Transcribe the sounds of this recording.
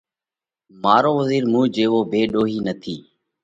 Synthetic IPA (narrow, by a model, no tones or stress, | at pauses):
maːɾoːʋəziːɾmũːd͡ʒeːʋoːbʱeːɗoːɦiːnət̪ʰiː